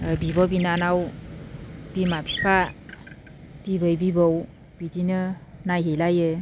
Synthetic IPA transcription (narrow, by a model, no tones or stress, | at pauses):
bibɔbinanaw | b̥imapʰi̥pʰa | b̥ibɯjbibɔw | b̥idinɯnajɦejlajɯ